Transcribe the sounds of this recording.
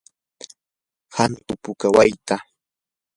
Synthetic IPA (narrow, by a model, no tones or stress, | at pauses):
hant̪ʊpʊkawajt̪a